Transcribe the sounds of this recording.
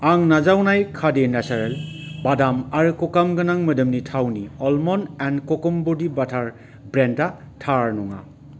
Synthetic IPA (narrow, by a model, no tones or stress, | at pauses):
aŋnazawnajkʰadenasaɾelbadamaɾɯkɔkamɡɐnaŋmɐdɯmnitʰawniɔlmɔnɛnkɔkɔmbudibatʰaɾ | bɾenta | tʰaɾnɔŋa̰